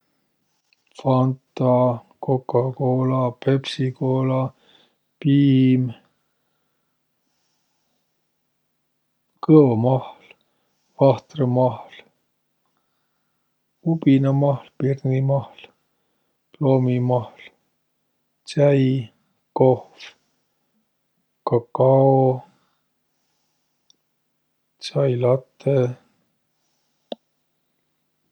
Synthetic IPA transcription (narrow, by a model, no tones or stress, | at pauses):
fɑnt̪ːɑ | kokːɑkoːlɑpepsikoːlɑ | piːm | kɤomɑhl | vɑht̪remɑhl | upinɑmɑhlpirnimɑhl | ploːmimɑhl | t͡sæj | kohf | kɑkːɑo | t͡sɑjlɑt̪ːe